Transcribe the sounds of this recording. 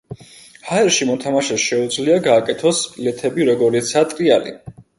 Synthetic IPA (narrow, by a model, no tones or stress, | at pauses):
haɛɾʃimɔt̪ʰamaʃɛsʃɛud̪zliaɡaːkʼɛt̪ʰɔspʼlɛt̪ʰɛbiɾɔɡɔɾit̪sʰat̪ʼɾialḭ